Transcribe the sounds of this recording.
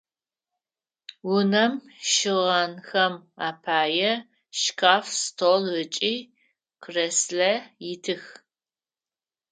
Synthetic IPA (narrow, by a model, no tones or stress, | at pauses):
wʊnɐmʃɨʁɐnxɐmaːpʰaːjɛ | ʃkʰaːfstʰolɨt͡ʃʼiː | kʰreslɐjɪtʰɨx